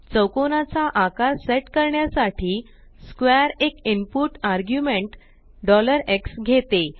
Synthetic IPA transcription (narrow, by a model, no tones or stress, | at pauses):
t͡səwkonat͡saʔakaɾseʈkəɾɳjasaʈʰiː | skʋɛɾekimpuʈaɾɡjumeɳʈ | ɖɔləɾeksɡʱet̪e